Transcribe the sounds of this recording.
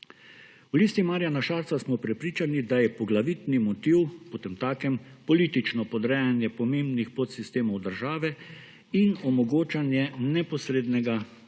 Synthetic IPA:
wliːst̪imaːɾijanaʃaːɾt̪sasmɔpɾɛpɾiːt͡ʃanid̪ajɛpɔɡlaʋit̪nimɔt̪iwpot̪emt̪aːkɛmpɔliːt̪it͡ʃnɔpɔd̪ɾɛjanjɛpɔmeːmbnixpot̪sist̪eːmɔwd̪əɾʒaːʋɛ | inɔmɔɡoːt͡ʃanjɛnɛpɔsɾeːd̪nɛɡa

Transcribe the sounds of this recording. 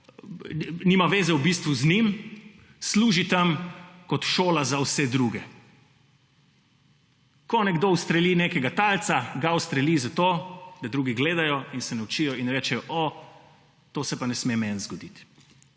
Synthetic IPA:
niːmaʋeːzɛwbist̪ʋuznim | sluːʒit̪amkɔt̪ʃoːlazawsɛd̪ɾuɡɛ | kɔnɛɡd̪oust̪ɾɛlineːkɛɡat̪alt̪saɡawst̪ɾɛlizat̪oːd̪̥ad̪ɾuːɡiɡleːd̪ajɔinsɛnɛwt͡ʃijɔinɾɛːt͡ʃɛjɔʔɔ | t̪oːsɛpanɛsmemɛnzɡɔd̪it̪

